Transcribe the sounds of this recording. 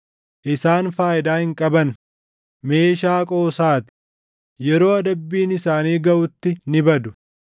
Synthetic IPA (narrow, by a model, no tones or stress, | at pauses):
ʔɪsaːnfaːjɪd̪aːhɪŋkʼɐbɐn | me̞ːʃaːkʼo̞ːsaːt̪ɪ̥ | jɛɾo̞ːɐd̪ɐbːiːnɪsaːniːɡɐʔʊt̪ːɪnɪbɐd̪ʊ̥